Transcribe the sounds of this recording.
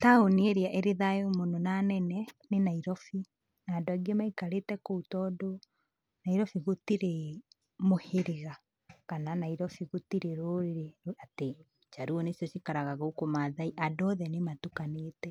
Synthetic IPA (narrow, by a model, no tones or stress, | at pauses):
taonieɾeaʔeɾeðaomononanɛnɛnenaiɾɔfi | naːdoaɡemaikaɾetɛkoutɔːdo | naiɾɔfiɣotiɾe | moheɾeɣa | kananaiɾɔfiɣotiɾeɾoːɾeɾeɾoate | t͡ʃaɾuɔnesjɔʃikaɾaɣaɣoukomaðaiʔadɔðɛnematukaneːtɛ